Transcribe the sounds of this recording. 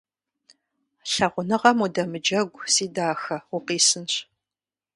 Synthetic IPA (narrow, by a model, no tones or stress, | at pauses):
ɬɐʁʷʊnɨʁɐmudɐmɨd͡ʒɐɡʷsiːdaːxɐʊqiːsɨnɕ